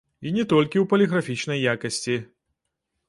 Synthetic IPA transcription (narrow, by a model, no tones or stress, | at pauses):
inʲɛt̪ɔlʲkʲiwpɐlʲɛɣɾafʲit͡ʂnɐjːakɐsʲt͡sʲi